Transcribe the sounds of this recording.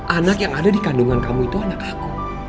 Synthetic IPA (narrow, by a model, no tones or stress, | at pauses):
ʔanakjaŋadadikanduŋankamuit̪uanakaku